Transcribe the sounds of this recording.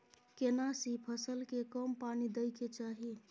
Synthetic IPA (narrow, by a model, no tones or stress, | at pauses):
kenasipʰəsəlkekəmpanid̪əjket͡ʃaɦi